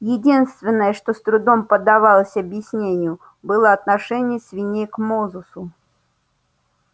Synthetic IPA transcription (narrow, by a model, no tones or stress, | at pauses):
jɪdʲinst̪vʲɪnːəjəʂt̪ost̪ɾʊd̪o̞mpəd̪ɐvɑlˠəsʲɐbjɪsʲnʲenʲɪjʊ | bɨlˠəɐt̪nɐʂɛnʲɪjəsʲvʲɪnʲejkmozʊsʊ